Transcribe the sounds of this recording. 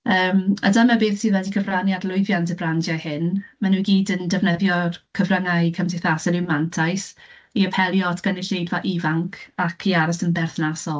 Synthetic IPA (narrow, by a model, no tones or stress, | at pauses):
əːma̰damɛbeːθsʰiːðwɛdikʰəvranjadlˠʊɨðjantəbrandjajhɪnmanuːɡiːdəndɛvnɛðjɔkʰəvraŋajkʰəmsʰɪθasɔnɪwmantʰajsiəpʰɛlˠjɔtʰɡ̥anɪɬejdvaʔivaŋkʰakʰiaɾasənbɛrθnasɔlˠ